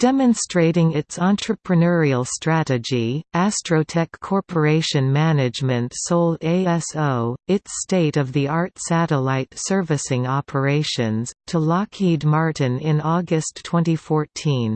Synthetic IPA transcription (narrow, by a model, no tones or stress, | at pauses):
d̥ɛmɨ̃nstɹ̥eɪɾɪ̃ŋɪtsɑ̃ntɹ̥ɨpʰɹɨnɛɹil̩ˠstɹ̥æɾɨd͡ʒiæstɹ̥oʊtʰɛkʰːɔɹpʰə˞eɪʃɨ̃nmænɨd͡ʒmɨ̃ntsoʊlˠdeɪɛsoʊɪtsteɪɾʌvðiɑɹtsæɾəlaɪtsɜ˞vɨsɪ̃ŋɑpʰə˞eɪʃɨ̃nz̥tʰəlɑkʰid̚mɑɹʔn̩ɪ̃nɔɡɨstʰːw̥ɛ̃ntifɔɹtʰĩn